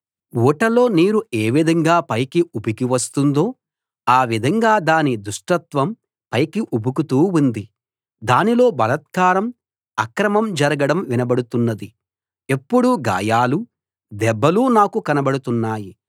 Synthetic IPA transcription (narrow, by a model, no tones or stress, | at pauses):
uːʈɐlo̞ːniːɾueːʋid̪ʱɐŋɡaːpɐjkiubikiʋɐst̪und̪o̞ː | aːʋid̪ʱɐŋɡaːd̪aːnid̪uʂʈɐt̪ʋɐm | pɐjkiʔubukut̪uːund̪i | d̪aːnilo̞ːbɐlɐt̪̚kaːɾɐm | ɐkɾɐmɐmd͡ʒɐɾɐɡɐɽɐmʋinɐbɐɽut̪unːɐd̪i | e̞pːuɽuɡa̰ːjaːlu | d̪ɛbːɐluːnaːkukɐnɐbɐɽut̪unːaːji